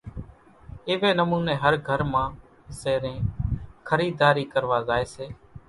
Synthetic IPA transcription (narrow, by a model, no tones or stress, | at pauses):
ɪːʋeːnəmuːneːɦəɾɡʱəɾmãː | seːɾẽːkʰəɾiːd̪aːɾiːkəɾʋaːzaːeːseː